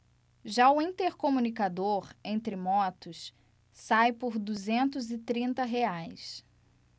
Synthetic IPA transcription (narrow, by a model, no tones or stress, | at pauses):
ʒaʊĩnt̪eɾkomunikad̪oɾẽnt̪ɾɪmɔt̪ʊs | sajpʊɾd̪uzẽnt̪ʊzɪt̪ɾĩnt̪ɐɦeajs